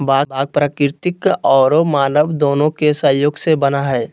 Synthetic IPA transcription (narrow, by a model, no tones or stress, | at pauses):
bʱaːbʱaːɡ̚pɾaːkɾt̪ɪkɔːɾomaːnəʋd̪oːnõkesə̃joːɡsebənaɦɛː